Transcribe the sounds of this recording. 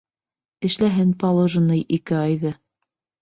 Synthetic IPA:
ɘ̆ʃlæɦɘnpɑlˠoʒɤ̆nɤjʔikɘɑjðɤ

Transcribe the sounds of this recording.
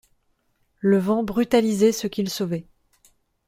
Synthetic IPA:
ləvɑ̃bʁyt̪alizɛsəkʲilsovɛ

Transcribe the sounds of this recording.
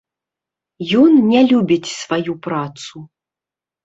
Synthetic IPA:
jɔnnʲɛlʲubʲit͡sʲsvajupɾat̪su

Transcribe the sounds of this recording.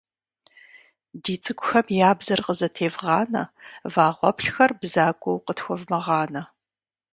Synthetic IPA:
diːt͡sʼɨkʷʼʊxɐmjaːbzɐrqəzɐtʰeːvʁɑːnɐ̰vaːʁʷɔpɬxɐrbzaːkʷʼɔwqətxʷɔvmɐʁɑːnɐ

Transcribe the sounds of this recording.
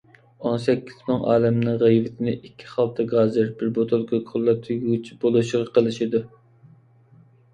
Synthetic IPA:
onsɛkʲːiz̥mɨŋɑ̰ːlɛmnɨŋʁejvɪt̪ʰɪnɪʔikʲʰːi̥χɑlˠt̪ʰɑɡɑːzɨɾbɪɾbot̪ʰolˠkɑkʰʊlˠːɑt̪ʰːyɡʲɡʲit͡ʃʰibolˠuʃɪʁɑqʰəlˠɨʃid̪u

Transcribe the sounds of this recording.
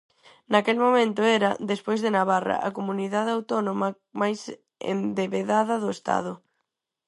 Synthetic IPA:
nakelmomẽnt̪ʊɛɾɐd̪espojzðenaβarɐ̰ʔɐkomuniðaðawt̪ɔnomɐ | majs | ḛnd̪eβeðaðɐðʊest̪a̰ðʊ

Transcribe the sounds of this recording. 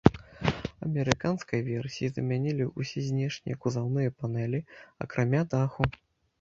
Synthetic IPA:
ɐmʲɛɾɨkanskɐjvʲɛrsʲijizɐmʲanʲilʲiusʲɛzʲnʲɛʂnʲḭjɐkuzawnɨjɐpanɛlʲiɐ̰kɾʔamʲad̪axu

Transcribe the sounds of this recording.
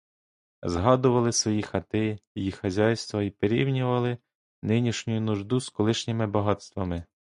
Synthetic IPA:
zɦɑd̪ʊʋɐlˠɪsʋɔjixɐt̪ɪjejixɐzʲɑjst̪ʋɐipeɾʲiwnʲʊʋɐlˠɪ | nɪnʲiʃnʲʊjʊnʊʒd̪uskɔlˠɪʃnʲɪmɪbɐɦɑt̪st̪ʋɐmɪ

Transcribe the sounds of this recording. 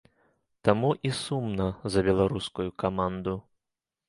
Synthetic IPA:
t̪amuʔisumnɐzɐbʲɛlˠaɾuskujukamand̪u

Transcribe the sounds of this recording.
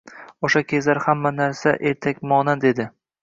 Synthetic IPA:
oʃakʲʰe̞zlaɾhamːanaɾsaʔe̞ɾt̪ʰakʲmɒnad̪e̞d̪ɪ

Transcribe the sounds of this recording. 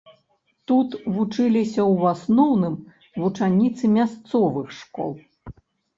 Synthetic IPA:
t̪ut̪vut͡ʂɨlʲisʲɐwasnɔwnɨm | vut͡ʂanʲit̪sɨmʲast̪sɔvɨxʂkɔ̰lˠ

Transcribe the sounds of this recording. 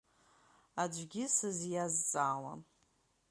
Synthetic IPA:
ad͡ʒʷɡʲɪsɨzjazt͡sʼaːla̰n

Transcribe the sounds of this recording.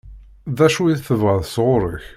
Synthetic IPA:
ðæʃuiðθəvʁəðsʁʊɾˤəç

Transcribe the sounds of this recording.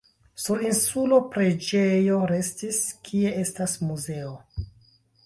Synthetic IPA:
suɾinsulopɾe̞d͡ʒejo̞ɾe̞stiskʰie̞e̞stasmuze̞o

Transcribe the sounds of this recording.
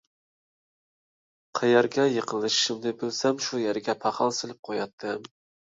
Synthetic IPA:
qʰɑjɑɾɡʲɛjɨqʰɨlˠɨʃɪ̥ʃɪmnɪbɪlsamʃujæɾɡʲɛpʰɑqʰɑlˠsɪlˠɪp̚qʰojɑt̪ʰːɪm

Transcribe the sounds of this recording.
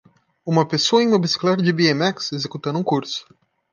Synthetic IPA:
ũmɐpesoɐẽũmɐbisi̥klaɾd͡ʒɪbiemɛksezekut̪ɐ̃nũkuɾsʊ̥

